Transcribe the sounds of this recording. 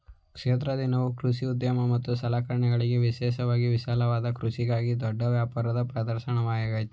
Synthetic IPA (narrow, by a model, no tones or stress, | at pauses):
kʂeːt̪ɾɐd̪inɐʋukɾuʃiud̪jɐmɐmɐt̪ːusɐlaːkɐɾɐɳɛɡɐɭiɡeʋiʃɛːʃɐʋaːɡiʋiʃaːlɐʋaːd̪ɐkɾuʃiɡaːɡid̪ɔɖːɐʋjaːpaːɾɐd̪ɐpɾɐd̪ɐɾʃɐɳɐʋaːjɐɡaːjit̪u